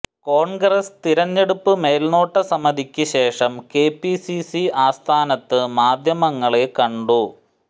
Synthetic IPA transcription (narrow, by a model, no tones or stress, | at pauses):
ko̞ːɳɡrɐst̪iɾɐɲːe̞ɽupːɨme̞ːlno̞ːʈːɐsɐmɐd̪ʱikʲːɨɕe̞ːʂɐmkeːpːisisiaːst̪ʰaːnɐt̪ːɨmaːd̪ʱjɐmɐŋːɐɭekɐɳɖu